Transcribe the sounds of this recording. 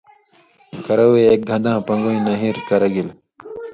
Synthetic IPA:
kɐɾɐweːk̚ɡʱɐ̃nd̪ãːpɐ̃ŋɡoĩnɐɦiɾkɐɾɐɡil

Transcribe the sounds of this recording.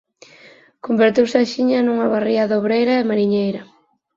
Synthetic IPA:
kombeɾt̪iwsaʃiɲɐnuŋɐβariaðoβɾejɾɐemaɾiɲejɾɐ

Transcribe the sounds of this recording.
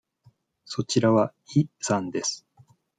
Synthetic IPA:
so̞t͡ɕiɾaβa | isãnd̪e̞sɨ̥

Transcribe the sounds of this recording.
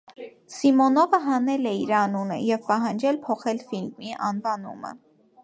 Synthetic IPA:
simɔnɔvəɦɑnɛlɛiɾɑnunə̰jɛvpɑɦɑnd͡ʒɛlpʰɔχɛlfilmiʔɑnvɑnṵmə̰

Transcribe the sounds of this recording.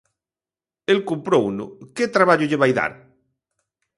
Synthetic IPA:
elkumpɾouno̰ket̪ɾaβaʎʊʎeβajða̰ɾ

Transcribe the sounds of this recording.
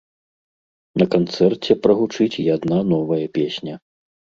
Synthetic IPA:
nɐkant̪sɛrt͡sʲɛpɾɐɣut͡ʂɨt͡sʲjad̪nanɔvɐjɐpʲesʲnʲɐ

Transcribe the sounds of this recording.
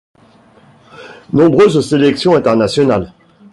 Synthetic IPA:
nɔ̃bʁøzselɛksjɔ̃ɛ̃t̪ɛʁnasjɔnal

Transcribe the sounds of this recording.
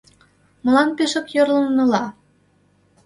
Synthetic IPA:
mɤ̆lɑnpeʃə̆kjorlə̆nːɤlɑ

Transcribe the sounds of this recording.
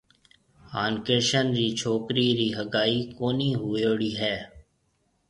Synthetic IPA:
haːnkeɾʃənɾiːt͡ʃʰoːkɾiːɾiːɦəɡaːiːkoːniːɦuːoːɽiːɦɛː

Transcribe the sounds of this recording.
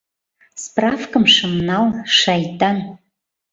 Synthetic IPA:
sprafkəmʂɨmnalʂajtʼan

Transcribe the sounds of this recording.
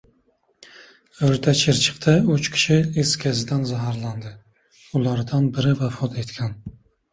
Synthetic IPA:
ɵɾt̪ʰat͡ʃʰɪɾt͡ʃʰɨ̥qt̪ʰaʊt͡ʃkʲʰɪ̥ʃɪeskʲʰazɪd̪anzaɦaɾland̪ɪ | ʊlˠaɾd̪anbɪɾɪvafɒt̪ʰe̞t̪kʲʰan

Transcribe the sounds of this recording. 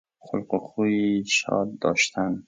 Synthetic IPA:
χʊlqoχuiʃɒ̰ːd̪̚d̪ɒ̰ːʃt̪ʰan

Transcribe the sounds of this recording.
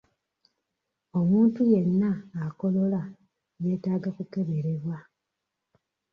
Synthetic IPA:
o̞muːntuje̞nːaːko̞lo̞la | je̞ːtaːɡakuke̞βe̞ɾe̞βwa

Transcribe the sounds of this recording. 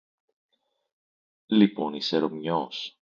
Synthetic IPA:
lipo̞niseɾomɲos

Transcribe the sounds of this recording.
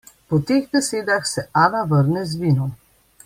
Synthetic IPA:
pɔt̪eːɣd̪ɛseːd̪axsɛʔaːnaʋəɾnɛzʋiːnɔ

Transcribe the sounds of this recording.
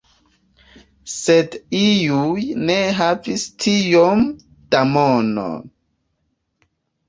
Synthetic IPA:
sedijujneɦavistʰijom | d̥amono̰n

